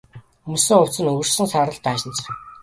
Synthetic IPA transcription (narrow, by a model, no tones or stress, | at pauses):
mɵ̆sɘ̆ŋʊw̥t͡sɘ̆nɵɣɵ̆rsɘ̆ŋsaːɾə̆ɮt̪æːʃɪ̆nt͡s̆